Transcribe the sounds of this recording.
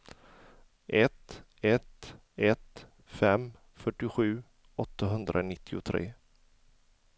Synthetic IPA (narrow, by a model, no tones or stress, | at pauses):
ʔɛt̪ | ɛt̪ | ɛt̪ | fɛm | fœʈːɪɧʉ̟ː | ɔt̪ʰːaɦɵnd̪ɾʔanɪt̪ʰːɪʊt̪ʰɾḛː